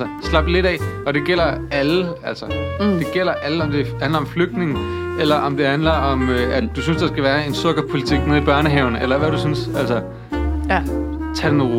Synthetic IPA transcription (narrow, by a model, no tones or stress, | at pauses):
səslɑ̈b̥le̝ɾɛ̰ɒ̽ɾ̥e̝ɡ̥el̰ɐæləæl̰sɐd̥e̝ɡ̥el̰ɐʔæləɒ̽md̥e̝hænlɐɒ̽mfløɡ̥̚d̥ne̝ŋn̩elɐʔɒ̽md̥e̝hænlɐɒ̽møʔæd̥usynsd̥ɑ̈sɡ̥æʋæːɐe̝nsɔ̽ɡ̥ɐpʰo̝lit͡sʰiɡ̥̚meðˠib̥ɶɐnəɦɛʊnəʔelɐʋæɾ̥usynsælsɐ | t͡sʰæd̥enʁ